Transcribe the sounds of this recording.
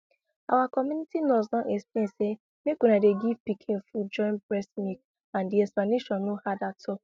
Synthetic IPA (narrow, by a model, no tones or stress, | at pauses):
a̰wakɔmunitilɔsnɔ̃ʔesplẽse | mekunadeɡivpikʰẽnfud͡ʒɔ̃ɪ̃nbɹɛsmik | ãndiɛsplaneʃɔ̃nːuhadatʰʊ